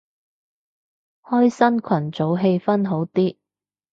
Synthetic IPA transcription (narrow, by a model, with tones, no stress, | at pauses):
hɔː˥jsɐ˥nkʰɐ˨˩nt͡so˨˥wɦe˧jfɐ˥nɦo˨˥wt̪iː˥